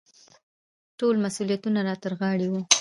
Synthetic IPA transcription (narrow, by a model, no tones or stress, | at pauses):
ʈolmasulijat̪unaɾɑt̪əɾɣɑɽiwu